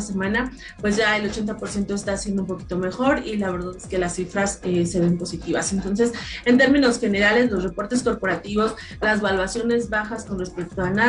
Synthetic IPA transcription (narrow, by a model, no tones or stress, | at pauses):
ase̞mãna | pwe̞zʝae̞lo̞t͡ʃe̞nt̪apo̞ɾsje̞nt̪o̞e̞st̪asjend̪oumpo̞ki̥t̪ome̞xo̞ɾilaβe̞ɾðaðe̞ske̞lasːifɾasese̞βe̞mpo̞sit̪iβase̞nt̪o̞ns̬e̞se̞nt̪e̞ɾmĩno̞sxe̞ne̞ɾale̞zlo̞sre̞po̞ɾt̪e̞sko̞ɾpo̞ɾat̪iβo̞s | lazβalwasjo̞ne̞zβaxasko̞nre̞spe̞k̚t̪oana